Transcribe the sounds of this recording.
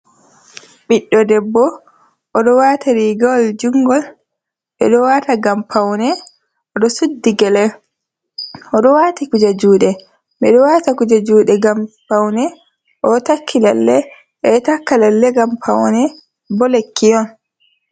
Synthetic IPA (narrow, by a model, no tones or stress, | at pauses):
ɓiɗːɔdɛbːɔ | ʔːɗɔwatʰaɾiɡɔld͡ʒuŋɡɔl | ɓɛ̰ɗɔwaːtaɡampʰawnɛ | ʔɔɗɔsudːiɡɛlɛ | ʔɔɗɔwaːtikud͡ʒad͡ʒuːɗɛ | ɓɛɗɔwaːtakud͡ʒad͡ʒuːɗɛɡampawnɛ | ʔɔtakʰːilalːɛ | ʔɛtakːalalːɛɡampʰawnɛ | bɔlekʰːijɔn